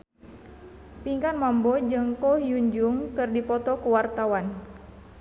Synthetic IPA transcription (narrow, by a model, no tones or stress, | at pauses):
piŋkanmambɔd͡ʒɨŋkɔhjuɲd͡ʒuŋkɨrdipɔt̪ɔkuwart̪awan